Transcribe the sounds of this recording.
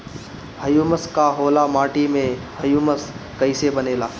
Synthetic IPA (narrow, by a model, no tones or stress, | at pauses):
həjuːməskaɦoːlamaːʈimẽ | həjuːməskəɪsebəneːlaː